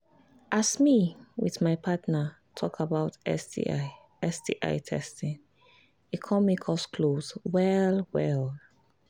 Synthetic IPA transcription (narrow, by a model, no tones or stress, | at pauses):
ʔasmiwḭðmajpʰatnə | tʰɔkʰabaʊtɛ̰sḭ | ɛsdḭʔa̰ɪtʰɛ̰stĩŋ | ikʰɔmikʰɔskʰloswɛlwɛl